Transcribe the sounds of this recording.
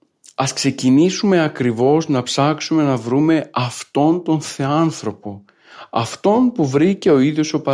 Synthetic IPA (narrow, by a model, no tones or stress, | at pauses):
ɐskse̞cinisume̞ɐkɾivo̞znɐpsɐksume̞nɐvɾume̞ɐft̪o̞nt̪o̞nθeɐnθɾo̞po̞ | ɐ̰ft̪o̞npuvɾice̞o̞iðjo̞so̞pɐ